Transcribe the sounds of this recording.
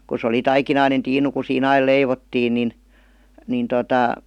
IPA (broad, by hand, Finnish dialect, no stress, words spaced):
ku s oli tɑikinɑinen tiːnu ku siːn ɑil leiʋotːiːn nin nin totɑˑ